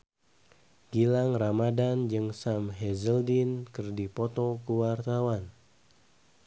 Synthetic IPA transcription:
ɡ̥ilaŋramadand͡ʒɨŋsamɦɛzəldinkɨrdipɔt̪ɔkuwart̪awan

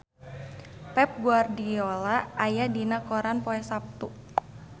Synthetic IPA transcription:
pɛp̚ɡuardiolaʔːjadinakoɾanpoɛsap̚t̪u

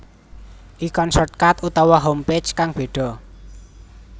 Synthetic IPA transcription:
ʔikɔnsɔrt̪̚kat̪ut̪ɔwɔɦompe̥t͡ʃkaŋb̥e̤ɖ̥ɔ̤

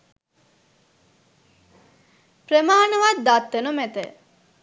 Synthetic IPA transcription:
prəmaːnəʋat̪̚d̪at̪ːənumet̪ə

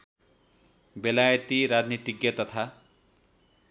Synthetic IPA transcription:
belajʌt̪iɾad̪niʈikjʌt̪ʌt̪ʰa

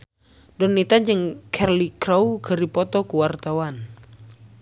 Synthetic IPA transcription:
dɔnːit̪ad͡ʒəŋkʰɛrlikɾaukʰəripɔt̪ɔkuwart̪awan

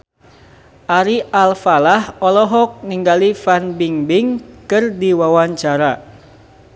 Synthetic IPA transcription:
ʔaɾiʔalfalahɔlɔɦɔk̚niŋɡalifanbiŋbɪŋkɨrdiwawaɲt͡ʃaɾa

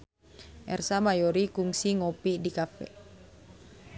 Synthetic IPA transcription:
ʔɛ̰rsamajɔɾikuŋsiŋɔpidikafɛ̰

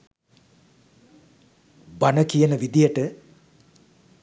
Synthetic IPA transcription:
banəkijənəʋid̪ijəʈə

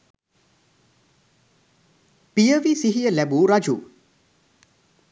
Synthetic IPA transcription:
pijəʋisiɦijəlɛbuɾad͡ʒṵ

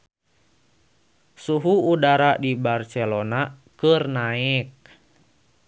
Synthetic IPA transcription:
suɦuːdaɾadibarsɛlona | kərnaɪk̚

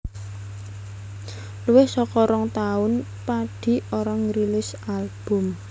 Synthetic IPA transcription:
luwɪhsɔkɔɾɔŋt̪aʊn | paɖ̥i̤oɾɔŋɾilɪs | alb̥ʊ̤m

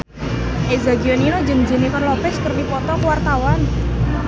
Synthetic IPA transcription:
ʔezaɡiɔninɔd͡ʒəŋd͡ʒənikɔnlɔpɛskərdipɔt̪ɔkəwart̪awan

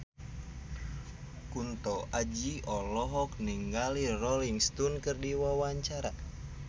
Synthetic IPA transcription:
kunt̪ɔʔad͡ʒiɔlɔɦɔk̚niŋɡalirɔliŋst̪unkɨrdiwawaɲt͡ʃaɾa

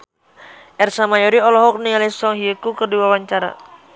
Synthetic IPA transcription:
ʔɛrsamajɔɾiɔlɔɦɔk̚nialɛsɔŋɦiəkukərdiwawaɲt͡ʃaɾa̰

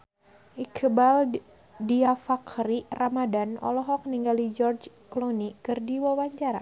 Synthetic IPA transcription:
ʔikʰbal | diafakɾiramadanɔ̰lɔɦɔk̚niŋɡalid͡ʒɔrd͡ʒklɔnikɨrdiwawaɲt͡ʃaɾa̰

